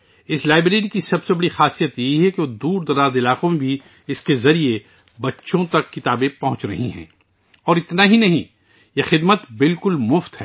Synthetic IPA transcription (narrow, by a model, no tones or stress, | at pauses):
ɪslaːɪbɾeːɾikisɐbsebɐɽixaːsijət̪jɐɦiɦɛkeoːd̪uːɾd̪ɐɾaːd̪ɪlaːqõmẽbʱi | ɪskezɐɾie | bɐtːʃõt̪ɐkːɪt̪aːbẽpɐɦʊ̃t͡ʃɾɐ̰ɦĩɦɛ̰̃ː | ɔːɾɪt̪naɦinɐɦĩ | jexɪd̪mət̪bɪlkʊlmʊft̪ɦɛː